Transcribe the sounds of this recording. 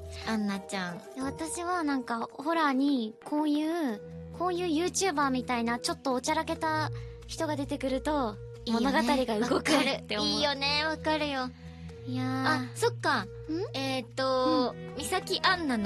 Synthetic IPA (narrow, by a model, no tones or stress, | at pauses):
ãnːat͡ɕãŋjaβ̞at̪aɕiβanãŋkaho̞ɾaɲ̟ikʰõ̞ːjɯ̟ː | kõ̞ːjɯ̟ːjɯ̟ːt͡ɕɨːbaːmʲit̪ainat͡ɕo̞t̪ːo̞ːt͡ɕaɾake̞t̪a | çi̥t̪o̞ɡad̪e̞t̪e̞kɯ̟ɾɯ̟t̪o̞ | mo̞no̞ɡatt̪aɾʲiɡaɯ̟ɡokɯɾɯt̪ːeoiːjo̞ne̞βakaɾɯ̟jo̞ | jaaso̞kːa | ɯ̟̃ɴet̪ːo̞ | mʲisakʲiʔãnːano